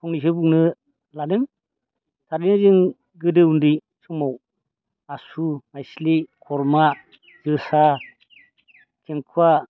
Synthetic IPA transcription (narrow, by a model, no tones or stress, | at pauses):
kʰɔŋnis̬ɯbuŋnɯ | lanɯŋ | tʰaɾinɯzɯŋ | ɡɯdɯundi | sʰɔŋmaw | asumajslikʰɔɾma | zɯsa | kʰeŋkʰua